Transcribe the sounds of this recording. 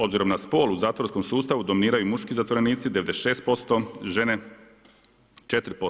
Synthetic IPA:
obziɾo̞mnaspo̞ːluzaːt̪oɾsko̞msuːst̪aʋud̪omniːɾajumuʃkizat̪ʋoɾe̞niːt̪sid̪eʋed̪eʃe̞ːst̪̚po̞st̪oʒe̞ne | t͡ʃe̞t̪ɾipo

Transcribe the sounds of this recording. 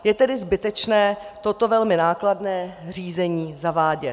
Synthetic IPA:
jɛt̪ɛdɪzbɪt̪ɛt͡ʃnɛːt̪o̞t̪o̞vɛlmɪnaːkladnɛːr̝iːzɛɲiːzavaːɟɛ

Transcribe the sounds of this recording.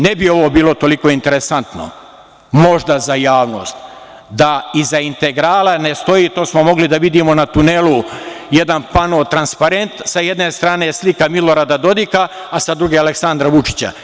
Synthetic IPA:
nebio̞ʋoːbiːlo̞t̪o̞liko̞ːint̪e̞ɾesant̪no̰ | mo̞ʒd̪azajaːʋno̞̰ːst̪ | d̪aizaint̪e̞ɡɾaːlane̞st̪o̞jiːt̪o̞ːsmo̞mo̞ɡlid̪aʋid̪iːmo̞nat̪unelˠujed̪anpanoːt̪ɾanspaɾe̞nt̪saje̞d̪ne̞st̪ɾaːne̞slikamilo̞ɾaːd̪ad̪o̞d̪ikaː | sad̪ɾuɡe̞aleksand̪ɾaʋut͡ʃi̥t͡ɕa̰

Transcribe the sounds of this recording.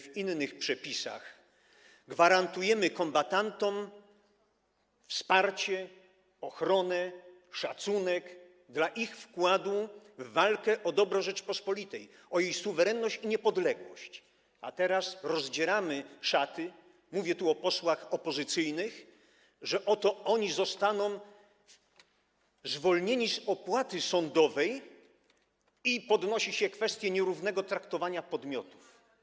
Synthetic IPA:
vinːɘxpʂɛpʲisa̰x | ɡvaɾant̪ujɛmɘkɔmbat̪ant̪ɔm | fspaɾt͡ɕɛ | ɔxɾɔnɛ | ʂat̪sunɛk | d̪laʔixfkwad̪uvːalkɛʔɔd̪ɔbɾɔ̃ʐɛt͡ʂpɔspɔlʲit̪ɛj | ɔjejsuvɛɾɛnːɔɕt͡ɕiɲɛpɔd̪lɛɡwɔɕt͡ɕ | a̰t̪ɛɾasɾɔzd͡ʑɛɾamɘʂat̪ɘ | muvʲjɛt̪uɔpɔswaxɔpɔzɨt̪sɘjnɘx | ʐɛʔɔt̪ɔɔɲizɔst̪anɔ̃w̃ | zvɔlɲeɲizɔpwat̪ɘsɔnd̪ɔvɛj | ipɔd̪nɔɕiɕɛkfɛst̪ʲjɛɲɛɾuvnɛɡɔt̪ɾakt̪ɔvaɲapɔd̪mʲjɔt̪u̥f

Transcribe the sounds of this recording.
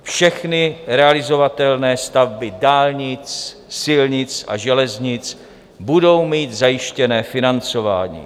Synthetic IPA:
fʃɛxnɪɾɛalɪzo̞vat̪ɛlnɛːst̪avbɪdaːlɲɪt͡s | sɪlɲɪt͡sʔa̰ʒɛlɛzɲɪt͡s | budo̞wmiːt̪zajɪʃcɛnɛːfɪnant͡so̞va̰ːɲḭː

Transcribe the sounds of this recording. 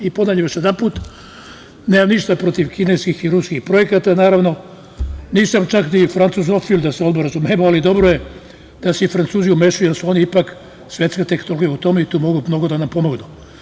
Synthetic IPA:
ipod̪aʎeʋeʃjed̪anpuːt̪ | neːmamniʃt̪apɾo̞t̪iʋkineskixiɾuskixpɾo̞jekat̪anaːɾaʋno̞ | niːsamt͡ʃaknifɾant̪suzofild̪aseod̪boɾazumemoalid̪o̞bɾoje | d̪̥aseifɾant̪suːzijumeʃujujelsuo̞niipak | sʋje̞t̪skat̪eknoloɡijeut̪o̞meit̪uːmo̞ɡumno̞ɡud̪anampo̞mo̞ɡnu

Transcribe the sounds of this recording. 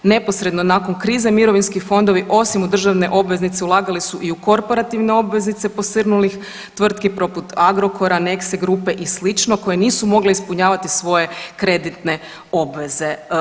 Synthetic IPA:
ne̞po̞sɾe̞d̪no̞nako̞nkɾiːzemiɾo̞ʋinskixfo̞nd̪o̞ʋiʔo̞simud̪r̩ʒaʋne̞ʔo̞bʋe̞znit̪se̞ulˠaːɡalisuʔiuko̞ɾpo̞ɾat̪iʋne̞o̞bʋe̞znit̪se̞po̞sərnulix | t̪ʋr̩t̪kipɾo̞put̪aɡɾo̞kʰo̞ɾane̞kseɡɾupe̞ʔislit͡ʃno̞ko̞jeniːsumo̞ɡleispuɲaːʋat̪isʋo̞je̞kɾe̞d̪it̪ne̞ | o̞bʋe̞ze̞

